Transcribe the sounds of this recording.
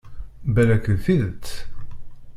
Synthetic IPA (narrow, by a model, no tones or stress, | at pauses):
bælækəðθiðət͡sː